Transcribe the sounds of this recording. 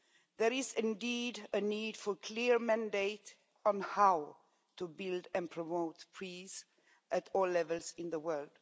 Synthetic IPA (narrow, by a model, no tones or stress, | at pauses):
ðɛɾɪzɪ̃ndidənidfɔɹkʰliɹmæ̃ndeɪt | ɔ̃n̩haʊ | tubɪldɛ̃npʰɹ̥ɔmoʊtpʰɹ̥iz | ʔætɔlːɛvəlˠzɪ̃nðəwɜld̥